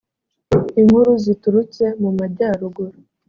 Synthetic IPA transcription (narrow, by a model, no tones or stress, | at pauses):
iŋhuɾuzituɾut͡se̞mumaɾɟaɾuɡuɾa